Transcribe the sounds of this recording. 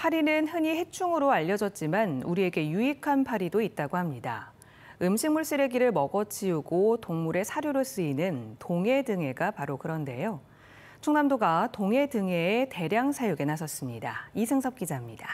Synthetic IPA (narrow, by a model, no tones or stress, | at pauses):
pʰaɾinɯnhɯɲihe̞t͡ɕʰuŋɯɾoaʎːʌd͡ʑʌt̚t͡ɕ͈imanuɾie̞ɡe̞juikʰanpʰaɾidoit̚t͈aɡohamɲida̰ | ɯmɕʰiŋmuɭs͈ɯɾe̞ɡiɾɯɭmʌɡʌt͡ɕʰiuɡotoŋmuɾe̞sʰaɾjoɾɯɭs͈ɯinɯntoŋe̞dɯŋe̞ɡapaɾokɯɾʌnde̞̰jo | t͡ɕʰoŋnamdoɡatoŋe̞dɯŋe̞ːte̞ɾjaŋsʰajuɡe̞nasʰʌs͈ɯmɲida̰isʰɯŋsʰʌp̚k͈id͡ʑamɲida